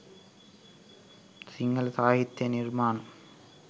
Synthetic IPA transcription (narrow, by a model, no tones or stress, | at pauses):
siŋɡɐlsaːjit̪ːɐnɪrmaːnɐm